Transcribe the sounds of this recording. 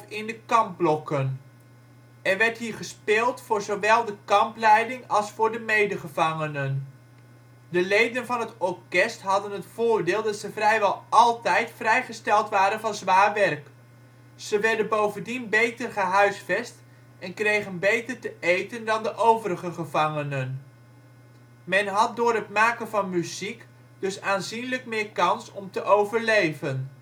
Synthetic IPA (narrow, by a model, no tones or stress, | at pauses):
fɪndəkɑmb̚blɔkən | ɛɹʋɛɹtɦiːɹχəspɪːlˠtfʊːɹzowʋɛlˠdəkɑmplɛjdɪŋɑlˠsfʊːɹdəmejdəχəvɑŋənən | dəlejdənvɑnɦətɔɹkɛstɦɑdənɦətfʊːɹdɪːlˠdɑtsəvrɛjʋɛlˠʔɑlˠtɛjtfrɛjχəstɛlˠtʋaːɾənvɑnzʋaːɹʋɛrk | z̥əʋɛɹdənbowvəndinbejtərχəɦœɥsfɛst | ɛnkrejχənbejtəɹtəʔejtəndɑndəʔowvəɾəχəχəvɑŋənən | mɛnɦɑt̚dʊːɹɦətmaːkənvɑnmyzik | d̥ɵsaːnzinlək̚mɪːɹkɑnsɔmtəʔowvəɹlejvən